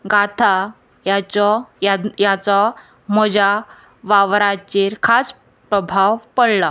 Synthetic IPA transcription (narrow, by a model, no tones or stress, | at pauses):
ɡat̪ʰa | jat͡ɕɔajat͡sɔ | mɔd͡ʑa | ʋaʋɾat͡ɕeɾkʰas | pɾəbʱawpəɽla